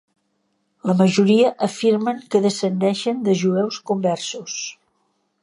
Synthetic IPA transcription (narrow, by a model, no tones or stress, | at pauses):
ləməʒuɾiəʔəfiɾməŋkəðəsənd̪ɛʃənd̪əʒuɛwskumbɛrsus